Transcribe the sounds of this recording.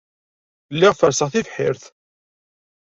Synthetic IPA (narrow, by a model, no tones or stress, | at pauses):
lːɪʁfəɾsəʁθivħɪɾθ